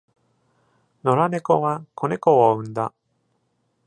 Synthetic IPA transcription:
no̞ɾane̞koβakʰonekooɯ̟̃nd̪a

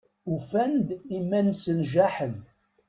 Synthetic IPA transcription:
ufænd̪imːænsənʒæħəl

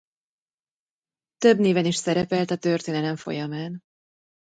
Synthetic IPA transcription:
t̪ø̞bneːvɛniʃsɛɾɛpɛlt̪ɒt̪ørt̪eːnɛlɛɱfo̞̰jɒmaːn

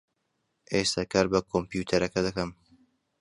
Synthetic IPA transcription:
ʔest̪ʰakɐɾbɐkʰompijuːt̪ʰɐɾɐkɐd̪ɐkɐm

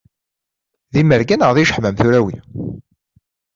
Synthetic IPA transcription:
ðiməɾɡænəʁðiʃə̥ħmæmθuɾæwḭ

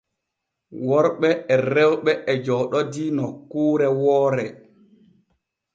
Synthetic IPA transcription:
wɔɾɓɛɛɾɛwɓɛʔɛd͡ʒɔɗɔdinɔkːuːɾɛwɔːɾɛ

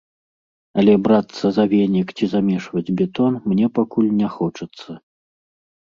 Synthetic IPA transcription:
ɐlʲɛbɾat̪sːɐzavʲɛnʲikt͡sʲizamʲɛʂvɐd͡zʲbʲɛt̪ɔnmnʲɛpakulʲnʲɛxɔt͡ʂɐt̪sːɐ

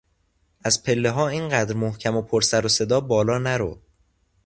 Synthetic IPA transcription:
ʔæzpʰe̞lːeɦɒːiːnɢæːd̪ɾmohcʰæmopʰoɾsæɾose̞d̪ɒːbɒːlɒːnæɾo̰

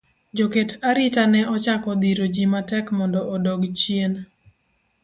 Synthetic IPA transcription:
d͡ʒoketaɾitanɛʔɔt͡ʃakɔd̪iɾod͡ʒimatɛkmɔndɔʔːdɔɡt͡ʃjen

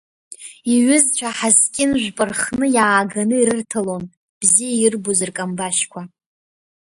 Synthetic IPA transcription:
iɥʏzt͡ʃʷʰaħazkʲʼɪnʒʷᶣpʼɨrχnɨjaːɡanɨiɾɨrtʰalon | b̥zijairbozɨrkʼambaʃkʷʰa

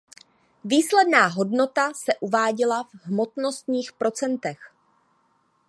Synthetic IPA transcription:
viːslɛdnaːɦo̞dno̞t̪asɛʔuvaːɟɪlavɦmo̞t̪no̞st̪ɲiːxpɾʔo̞t͡sɛnt̪ɛx

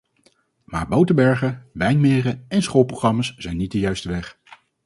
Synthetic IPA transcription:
ma̰ːɹbowtəbɛɹχəʋɛjnmɪːrəɛnsχolˠproχrɑmasz̥ɛjnːit̚dəjœɥstəʋɛχ

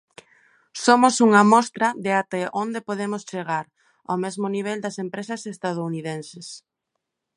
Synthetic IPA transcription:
somosuŋɐmɔst̪ɾɐðɪat̪ɛʔond̪epoðemʊst͡ʃeɣ̞aɾ | a̰wmezmʊniβ̞eld̪ɐsempɾesɐsest̪aðouniðẽnses

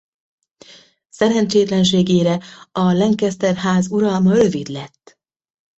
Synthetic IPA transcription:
sɛɾɛnt͡ʃeːt̪lɛnʃ̬eːɡeːɾɛɒlɛŋkɛst̪ɛrɦaːzuɾɒlmɒrø̞vid̪lɛt̪ː

